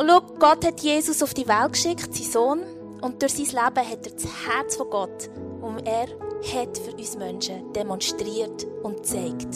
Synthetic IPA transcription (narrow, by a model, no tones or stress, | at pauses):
lukɡ̥ɔthɛtjeːsʊsʊfd̥iʋælt̚kʃɪkχtsisoːn | ʊnt̚d̥ʊɾsiːslæbəɦɛtɛːt͡shæɾt͡sfɔɡɔt | ʊnɛːɾhɛtfyɾyːsmœnʃəd̥ɛmɔnʃtɾiːəɾtʊntt͡sɛɪkt